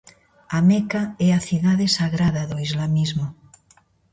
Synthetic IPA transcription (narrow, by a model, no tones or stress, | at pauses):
amekaɛaθiðaðesaɣɾaðaðoizlamizmo